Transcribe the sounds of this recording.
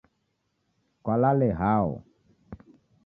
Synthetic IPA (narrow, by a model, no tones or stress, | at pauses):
kwalalɛɦaɔ̰